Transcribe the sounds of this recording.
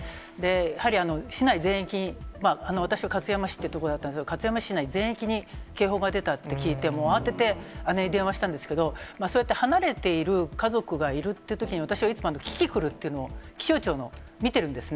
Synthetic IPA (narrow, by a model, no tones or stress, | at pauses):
d̪e̞jahaɾʲiano̞ɕinaizẽ̞ɰ̃ekʲiɲ̟imaːanoat̪aɕiβakat͡sɨjamaɕi̥t̪ːeiɯ̟t̪okod̪at̪ːandekd̪okat͡sɨjamaɕi̥ɕinaizẽ̞ekʲiɲ̟ike̞ːɦo̞ːɡad̪e̞t̪at̪ːe̞kʲiːt̪e̞moːat̪e̞t̪e̞aneid̪ẽ̞ɰ̃βaɕi̥t̪ãnd̪esɨ̥ke̞d̪o̞maːsojet̪ːe̞hanaɾe̞t̪e̞iɾɯ̟kazo̞kɯ̟ɡaiɾɯ̟t̪ːeiɯ̟t̪o̞kʲiɲ̟iβat̪aɕiβait͡sɨmoanokʲi̥kʲikɯ̟ɾɯ̟t̪ːe̞iɯ̟nookʲi̥ɕo̞ːt͡ɕo̞ːno̞mʲit̪e̞ɾɯ̟̃nd̪e̞sɨn